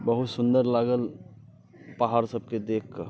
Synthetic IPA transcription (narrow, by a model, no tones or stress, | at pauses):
bəɦut̪sʊnd̪əɾlaːɡəl | paɦaːɾsəb̚ked̪eːk̚ʰkə